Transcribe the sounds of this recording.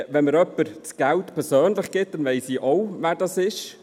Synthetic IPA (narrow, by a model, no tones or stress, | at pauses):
vɛnməɾœpəɾt͡sɡ̥ɛltpʰɛɾsøːnlɪχɡ̥ɪt̚d̥anvɛɪsiːʔoʊvɛːɾdɑsɪʃ